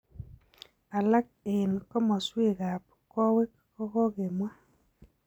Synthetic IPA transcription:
a˨la˦k̚ɪ˨nkɔ˦mɔ˨swe˦˨ɣa˨p̚ | kɔ˦we˦kː | ɔ˦ɣɔ˦ɣe˨mwa˦

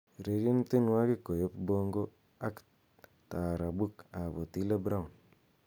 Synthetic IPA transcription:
ɾe˨ɾje˦n˦ti˦nwa˦ki˦ko˨jo˦pbo˦ŋɡo˦ | a˦k | ta˨ɾa˨bu˦ka˨bo˨ti˦le˦bɾa˦˨n

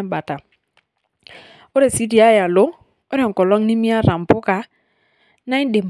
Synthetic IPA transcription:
m˦ba˨ta˨ | o˦ɾe˨si˦di˨a˦ja˨lo˦ | o˦ɾɔ˨kɔ˨lɔ˦ŋ˦ni˦mi˦a˦ɾa˨m˨pʊ˦ka˦ | na˦i˦n˦de˨m˨

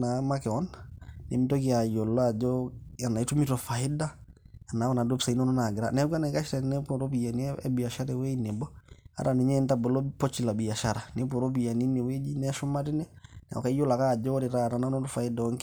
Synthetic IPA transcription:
na˨ma˦kɛ˨ɔ˦nnḛ˨mi˦to˦ki˨a˨jo˨lːa˨d͡ʒɔa˨na˨i˦tu˦mito˨fa˨ɪ˦da˦a˨na˨˦wa˨na˨do˦psa˨i˦no˦no˦na˨ɡɪ˨ɾa̰nɛ˦ɡʷa˦na˨ka˦ʃɾanɛ˦poɾo˦pi˨ja˨ni˦ɛ˦bi˨ja˨ʃa˦ɾewe˦ine˨bɔ˦a̰˦ɾa˨ne˨ɲɛ˦ntabɔ˨lo˦pɔ˦t͡ʃi˨la˨bi˨ja˨ʃa˨ɾane˦po˨ɾo˦bi˨ja˨ni˦ne˨we˦d͡ʒi˦nɛʃu˦ma˦ti˦nɛ˦nɛ̰˨ɔ̰˨ka˦jo˦la˨ka˦˨d͡ʒɔ˦ɾi˨ɾa˦˨ɾa˨na˦no˦tɔfa˨i˦da˨ɔ˦ŋk

